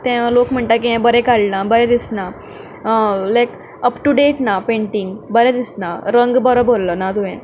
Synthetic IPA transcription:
t̪ɛ̃lokm̤əɳʈakiɦɛ̃bəɾɛkaɭnabəɾɛ̃d̪isna | lajk | əpʈuɖeʈnapẽɳʈiŋɡbəɾɛ̃d̪isnaɾəŋɡbəɾɔbʱollənat̪uɛ̃

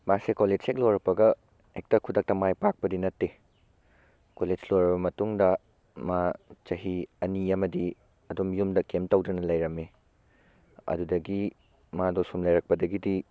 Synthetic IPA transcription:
basekoled͡ʒsek̚loɾɐpɐɡɐ | ek̚tɐkʰudɐk̚tɐmajpak̚pɐdinɐtːe | koled͡ʒloɾɐbɐmɐtuŋdɐ | mat͡ʃɐɦiɐniɐmɐdi | ɐdomjumdɐkemtɐwdɐnɐlɐjɾɐme | ɐ̰dudɐɡi | madosumlɐjɾɐk̚pɐdɐɡidi

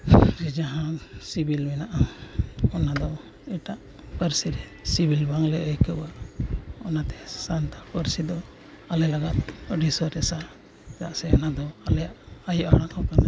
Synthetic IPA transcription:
d͡ʒid͡ʒaɦãsibilmɛnaʔa | ɔnad̪ɔ | ɛʈaʔ | pəɾsiɾɛ | sibilbaŋlɛəjkəuaʔɔnat̪ɛ̥sant̪apəɾsid̪ɔ | alɛlaɡat̪̚ɖisɔɾɛsa | ɾa̰ʔsɛɔnad̪ɔalɛjaʔajuʔaɽ̃aʔhɔkana

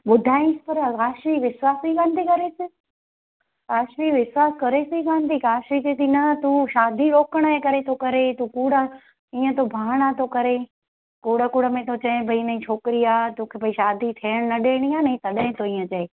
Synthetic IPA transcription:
ɓʊd̪ʱaːĩspɐɾɐkaːʃmiʋɪswaːsikãːnd̪ikɐɾesɪ | kaːʃmiʋɪswaːskɐɾesɪikaːnd̪ikaːʃid͡ʑet̪inɐt̪ũʃaːd̪ʱiɾoːkəɽ̃əɦekɐɾet̪ʰokɐɾet̪ũkuːɽə | iːə̃t̪ʰobʱaːɽ̃at̪ʰokɐɾe | kuːɽəkuːɽəmẽt̪ʰot͡ɕɐɪ̃bʱɐinɐĩt͡ɕʰoːkɪɾiaːt̪oːkʰebʱɐiʃaːd̪ʱit̪ʰeːəɽ̃nɐɗeːɽ̃iaːnɐĩt̪ɐɗɦɪ̃t̪ʰoiːə̃t͡ɕɐe

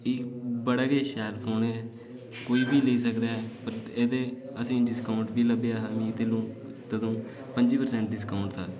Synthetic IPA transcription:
ɪkbəɽaːɡeːʃɛːlpʰoːnɛː | koːiːbiːləiːs̬əkd̪aːɦɛːpəɾeːd̪eːəsĩːɖɪskaːʊɳʈbiːləbeaːamĩːt̪elũː | t̪əd̪õː | pəɲd͡ʒiːpəɾsɛ̃ːɳʈ̚ɖɪskaːʊɳʈt̪aː

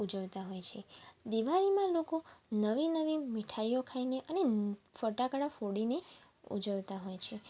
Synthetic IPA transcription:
ud͡ʒəʋt̪aɦojt͡ʃʰed̪iʋaɭimãlokonəʋinəʋimiʈʰaijokʰaineʔənefəʈakəɽafoɽine | ṵd͡ʒəʋt̪aɦojt͡ʃʰe

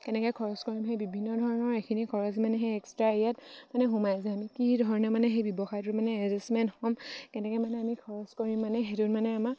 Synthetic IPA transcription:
kɛnɛkɔjkʰɔɹɔskɔɹimɦejbibʱinːɔdʱɔɹɔnɔɹekʰinikʰɔɹɔs̬manɛɦejɛkstɹaejat̚manɛɦumajzɛamikidʱɔɹɔnɛmanɛxejbɔbɔxajtʊtmanɛɛzɛsmɛntxɔmkɛnɛkɔmanɛamikʰɔɹɔskɔɹimːanɛɦetʊtmanɛama

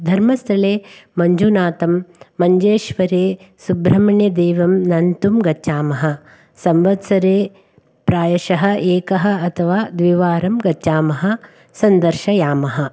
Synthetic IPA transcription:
d̪ʱɐɾmɐst̪ʰɐleːmɐɲd͡ʒunaːt̪ɐmːɐɲd͡ʒeːʃʋɐɾeː | subɾɐmɐɳjɐd̪eːʋɐmnɐnt̪umɡɐʃaːmɐɦɐ̆ | sɐmʋɐt̪sɐɾeː | pɾaːjɐʃɐɦɐ̆ʔeːkɐɦɐ̆ɐt̪ʰɐʋaːd̪ʋiːʋaːɾɐmɡɐt͡ʃːaːmɐɦɐ̆ | sɐnd̪ɐɾʃɐjaːmɐɦɐ

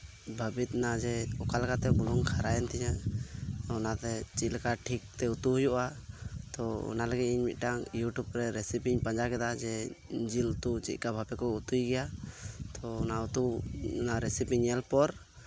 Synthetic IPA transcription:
bʱəbit̪̚nad͡ʒɛɔkalkat̪ɛbulɔŋkʰaɾajɛnt̪ɛɲa | ɔnat̪ɛt͡ʃilɛkaʈʰik̚t̪ɛut̪uhujuʔat̪ɔɔ̰naləɡit̪̚iɲmit̪̚ˀʈaŋjuʈubɾɛɾɛsipiɲpaɲd͡ʒakɛd̪ad͡ʒɛd͡ʒilt̪ut͡ʃḭt̪̚ˀkabʱapɛkɔut̪ujɡɛjat̪ɔːnaut̪unaɾɛsipiɲɛlpɔɾ

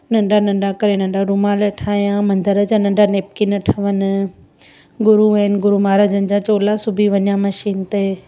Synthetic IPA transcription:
nɐ̃ɳɖanɐ̃ɳɖakɐɾenɐ̃ɳɖaɖʊmaːləʈʰaːijãmɐ̃nd̪əɾəd͡ʑãnɐ̃ɳɖaneːp̚kinɐʈʰɐʋənɪ | ɡʊɾuɛnɡʊɾumaːɾad͡ʑənɪ̆d͡ʑãt͡ɕoːlasʊbʱiʋɐɲjãmɐʃiːnt̪e

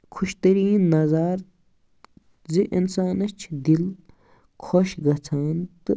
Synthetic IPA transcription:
kʰuʃt̪ɐɾiːnːɐzaːɾ | ziʔinsaːnɐt͡ʃʰd̪il | kʰoʃɡɐt͡sʰaːnt̪ɨ

